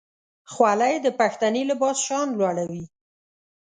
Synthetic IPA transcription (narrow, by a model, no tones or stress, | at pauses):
xwalajd̪əpaxt̪anelɪbɑsʃɑnlwɑɽawi